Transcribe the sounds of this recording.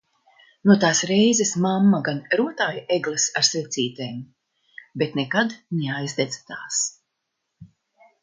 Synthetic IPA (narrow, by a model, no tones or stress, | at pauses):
nuɔt̪aːsɾɛjzɛsmamːaɡanɾuɔt̪aːjaʔeɡlˠɨsaɾsvɛt̪siːt̪ejm | bet̪nɛkad̪nʲeajzd̪ɛd̪zt̪aːs